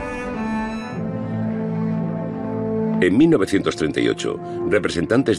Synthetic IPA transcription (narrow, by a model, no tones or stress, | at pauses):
eŋmilnoβ̞e̞θjent̪o̞st̪ɾent̪a̰ḭo̰t͡ʃo̰ | repɾese̞nt̪ant̪e̞z